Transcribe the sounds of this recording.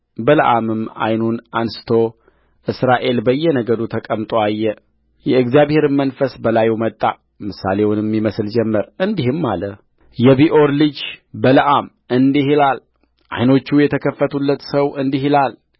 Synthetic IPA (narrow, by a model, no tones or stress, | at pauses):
bələʔamɨmːa̰jnunansɨ̥t̪ʰo̞ | ʔɨsɾaʔe̞lbəjːɛnəɡəd̪ut̪ʰəkʼəmt̪ʼoajːɛ | jɛɨɡzjaβhe̞ɾɨmːənfəsbəlajmət̪ʼːa | mɨsale̞wunɛmːiməsɨld͡ʒɛmːəɾɨnd̪ihɨmːalə | jɛβiʔoɾlɨd͡ʒbələʔam | ʔɨnd̪iɦilal | ʔa̰jno̞t͡ʃːujɛt̪ʰəkʰəfːət̪ʰulːət̪səwɨnd̪iɦilal